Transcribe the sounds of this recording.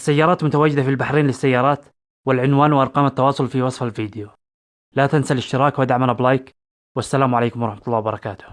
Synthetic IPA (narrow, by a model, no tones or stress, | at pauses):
ʔasːajːɑːɾˤɑːt̪mʊt̪awaːd͡ʒɪd̪afilbaħɾiːnlɪsːajːɑːɾˤɑːt̪ | wɪlʕɪnwaːnwɪʔɑɾˤqɑːmat̪ːɑwɑːsˤʊlfiwɑsˤfalfiːd̪ɪju | lat̪ansalɪʃt̪ɪɾɑːkwad̪aʕmalablɑːjk | wasːalaːmʕalejːkʊmwɑɾˤɑħmat̪ʊlˤːɑːwɪbɑɾˤɑkaːt̪ʊ̥h